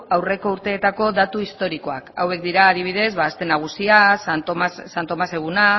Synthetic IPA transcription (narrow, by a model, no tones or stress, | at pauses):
awre̞ko̞uɾt̪e̞ːt̪ako̞ðat̪uist̪o̞ɾiko̞aka̰we̞k̚d̪iɾaːɾiβ̞ið̞e̞zβaːst̪e̞naɣ̞usiasssant̪o̞mase̞ɣ̞una